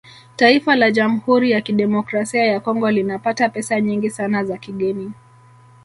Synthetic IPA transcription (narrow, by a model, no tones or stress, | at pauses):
taifalaʄam̩huɾijakiɗɛmɔkɾasiajakɔŋɡɔlinapatapɛsaɲiŋɡisanazakiɠɛnia